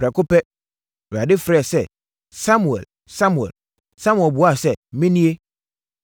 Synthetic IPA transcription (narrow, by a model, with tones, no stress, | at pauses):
fɾɛ˨kʊ˦pɛ˦˨ | a˨dɪ˦fɾɛ˨sɛ˦ | sa˦mu˨ɛ̰˨l | sa˦mu˨ɛ̰˨l | sã˦mu˨ɛ˨bu˨˦a˦˨sɛ˦˨mĩ˦nĩ˦e˦